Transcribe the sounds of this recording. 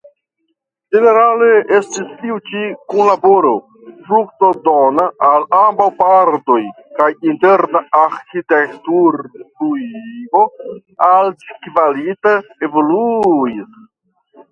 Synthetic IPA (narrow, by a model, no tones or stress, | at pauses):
d͡ʒe̞ne̞ɾalee̞stistiut͡ʃikunlabo̞ɾo̞ | fɾuk̚to̞donaʔːlambawpaɾdo̞j | kajinte̞ɾnaaɾkitektuɾpuivo̞ | ald͡ʒkvalitae̞vo̞luis